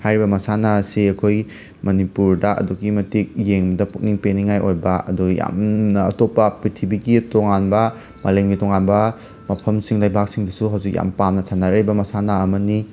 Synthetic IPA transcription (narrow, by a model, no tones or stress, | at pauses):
hajɾibɐmɐsanasiɐkʰoj | mɐnipuɾdɐʔɐ̰duɡimɐtik̚jeŋbɐdɐpuk̚niŋpeniŋajʔojbɐɐ̰duɡja̰mnɐɐtopːɐpɾitʰibiɡitoŋanbɐ | mɐleŋɡitoŋanbɐ | mɐpʰɐmsiŋlajbʱak̚siŋdusuɦawzik̚ja̰mpamnɐsʰanːaɾɐɾibɐmɐsanaɐmɐni